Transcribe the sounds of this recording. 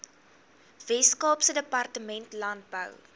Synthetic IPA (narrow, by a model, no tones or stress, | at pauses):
vɛskɔːpsədəpɐrtəmɛntlɐnt̚bə̰w